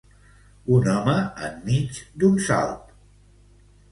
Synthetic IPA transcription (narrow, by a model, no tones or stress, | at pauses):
unɔməə̰mːit͡ʃd̪unsa̰lˠt̪̚